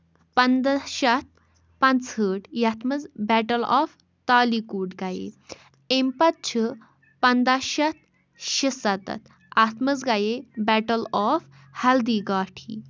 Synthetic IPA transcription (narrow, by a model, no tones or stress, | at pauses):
pənd̪aɕat̪̚ʰ | pant͡shəʈjat̪ʰmət͡sbɛʈəlɔf | t̪alikuːʈɡajḛ | empat̪̚t͡ɕʰə | pənd̪aɕat̪̚ʰ | ɕəsat̪a̰t̪̚ʰ | at̪ʰmət͡sɡajebɛʈəlɔf | hɛld̪iɡaʈʰḭ